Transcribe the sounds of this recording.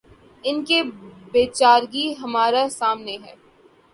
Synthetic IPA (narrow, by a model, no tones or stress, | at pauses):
ɪnkebeːt͡ʃaːɾɡiɦɐmaːɾasaːmneɦɛː